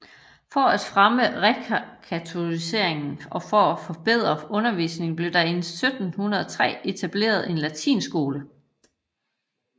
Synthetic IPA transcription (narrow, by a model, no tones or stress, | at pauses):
fɒ̽æd̥fʁaməʁɛkʰkʰæt͡sʰo̝ise̝̰ɐ̰e̝ŋn̩ɒ̽fɒæfɒ̽b̥e̝ð̞̰ˠʁɐɔ̽nɐʋḭːsne̝ŋ̩b̥le̝d̥ɑ̈e̝nssød̥n̩hunɐðˠɒt͡sʰʁɛ̰ːe̝t͡sʰæb̥le̝̰ːɐð̞ˠe̝nlæt͡sʰḭːnsɡ̥o̝ːlə